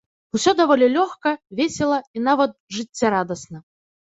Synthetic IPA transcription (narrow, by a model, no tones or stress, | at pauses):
usʲɔd̪avɔlʲɛlʲɔxkɐvʲesʲɛlˠɐinavɐt̪̚ʐɨt͡sʲːaɾad̪ɐsnɐ